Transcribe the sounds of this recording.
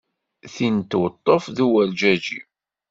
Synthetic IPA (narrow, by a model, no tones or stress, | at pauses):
θint̪wət̪ˤːofðuwæld͡ʒæd͡ʒi